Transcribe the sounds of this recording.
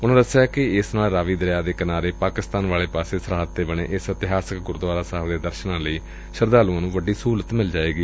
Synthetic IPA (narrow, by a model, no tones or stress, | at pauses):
ʊnãːd̪əsejaːkɪɪsnaːlɾaːʋiːd̪əɾjaːd̪eːkɪnaːɾeːpaːkɪst̪aːnʋaːleːpaːseːsəɾaːɦt̪ːeːbəɳ̃ḛːʔɪsɪt̪ɪɦaːsəkɡʊɾd̪ʊʋaːɾaːsaɦəbd̪eːd̪əɾʃənãːləiː | ʃəɾd̪aːluãːnũːʋəɖːiːsuːlət̪mɪld͡ʒaːeːɡiː